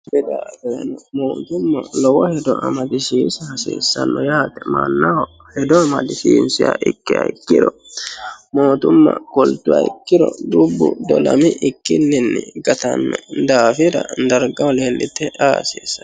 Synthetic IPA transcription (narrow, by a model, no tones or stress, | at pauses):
bɛd̪aɡɔjɐ̰nɔmoːt̪ʊmːɐlɔwɔhɛd̪ɔʔɐmɐd̪ɪsiːshɐsḛːsːɐnːɔjaːt̪ːɛmanːɐwɔ | hɛd̪ɔɐmɐd̪ɪsiːnsɪja̰ʔɪkːɪɐ̰jkːɪd̪ɔ | moːt̪ʊmːɐ̰kɔlt̪ːʊɐ̰jkːɪd̪ɔd̪ubːʊd̪ɔlɐmɪʔɪkːɪnːɪnːɪɡɐt̪ɐnːɛd̪aːfɪɾɐd̪ɐɾɡɐwleːlʔɪt̪ːɛʔaːseːsːɐ